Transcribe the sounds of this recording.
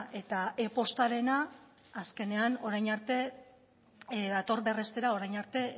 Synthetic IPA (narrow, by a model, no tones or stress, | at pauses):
ʔe̞t̪ae̞po̞st̪aɾe̞naː | ske̞ne̞ano̞ɾajnaɾt̪e̞ | ðat̪o̞ɾβe̞re̞st̪e̞ɾao̞ɾajnaɾt̪e̞